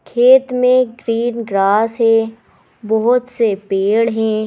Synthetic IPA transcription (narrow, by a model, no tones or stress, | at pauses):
kʰeːt̪mẽɡɾiːnɡɾaːsɦɛ̃ː | bɔɦʊt̪sepeːɽɦɛ̃ː